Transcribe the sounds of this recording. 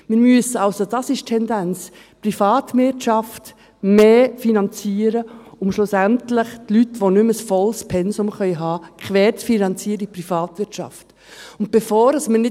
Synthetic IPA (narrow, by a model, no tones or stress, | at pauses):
mɪɾmyəsəɑʊsod̥ɑsɪʃtʰːɛndænt͡s | prifɑːt̪vɪtʃɑft | meːfinɑnt͡siːəɾəʊmʃlʊsæntlɪχtlytʋonʏməsfɔlspʰɛnsʊmχœʏɦɑːkʰχvɛːɾt͡sfinɑnt͡siːəɾiprifɑːtʋɪtt͡ʃɑ̰ft | ʊnt̚b̥ɛfoːɾɑsmənɪ